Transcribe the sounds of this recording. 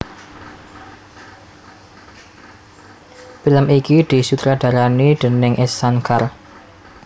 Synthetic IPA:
filəmikid̪̥i̤sut̪ɾaɖ̪̥a̤ɾaniɖ̪̥ənɪŋʔɛsːankar

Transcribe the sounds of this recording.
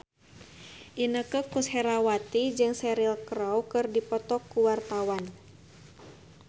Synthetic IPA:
ʔinəkəkushɛɾawat̪id͡ʒɨŋsɛɾilkɾawkɨrdipɔt̪ɔkːuwart̪awan

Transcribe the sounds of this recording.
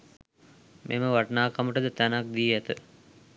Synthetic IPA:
mʔḛməʋaʈnaːkaməʈəd̪ət̪ænak̚d̪iːæt̪ə

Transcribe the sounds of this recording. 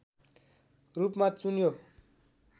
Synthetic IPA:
rupmat͡sunjo

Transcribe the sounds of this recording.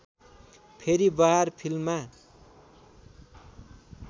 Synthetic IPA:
pʰeɾibʌɦarpʰilma

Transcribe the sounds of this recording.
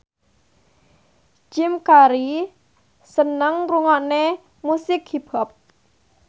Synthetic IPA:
t͡ʃɪmkaɾi | sənəŋruŋaʔne | musɪkhib̥ɔp̚

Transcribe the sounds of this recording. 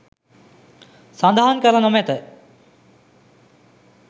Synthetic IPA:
sand̪aɦankəlanomɛt̪ə

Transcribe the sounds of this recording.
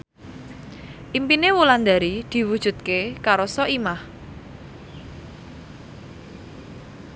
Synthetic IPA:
ʔimpinewuland̪aɾid̪̥i̤wud̥ʒ̥ṳt̪̚kekaɾɔsɔʔimah

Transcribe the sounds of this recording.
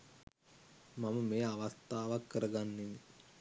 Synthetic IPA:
maməmejaʋast̪aːʋakːəɾəɡanːini

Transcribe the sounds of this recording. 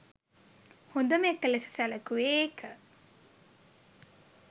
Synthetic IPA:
hond̪əmekːəlesi̥sæləkueːkə

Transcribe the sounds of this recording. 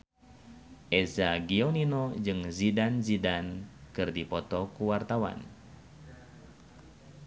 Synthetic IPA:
ʔɛzaɡioninod͡ʒɨŋzidanzidankɨrdipɔt̪ɔkuwart̪awa̰n

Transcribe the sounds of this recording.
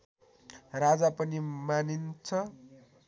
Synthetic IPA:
rad͡zapʌnimanint͡sʰʌ

